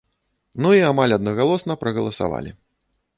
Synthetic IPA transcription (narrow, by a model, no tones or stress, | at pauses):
nuiamalʲɐd̪nɐɣalˠɔsnɐpɾɐɣɐlˠɐsa̰va̰lʲḭ